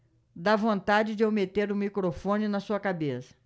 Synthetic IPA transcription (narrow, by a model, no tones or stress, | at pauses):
d̪avõnt̪ad͡ʒɪd͡ʒɪewmet̪eɾũmikɾofõnɪnɐsuɐkabesɐ̥